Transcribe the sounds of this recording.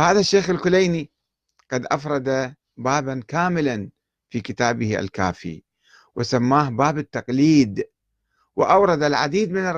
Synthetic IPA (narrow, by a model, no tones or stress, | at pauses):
haːðaʃːeːxɪlkʊlejni | qɑd̪ʔafɾˤɑd̪a | baːbankaːmɪlan | fiːkɪt̪aːbɪha̰lka̰ːfḭ | wɪsamːaːhbaːbɪt̪ːɑqliːd̪ | wɪʔawɾˤɑd̪alʕad̪iːd̪mɪnɪ